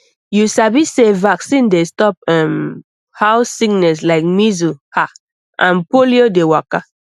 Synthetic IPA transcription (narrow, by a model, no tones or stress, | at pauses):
jusabisevaksĩndestɔp̚ɛ̃m | haʊsːik̚nɛs̬laɪk̚mizuha | ʔãnpoliodewaka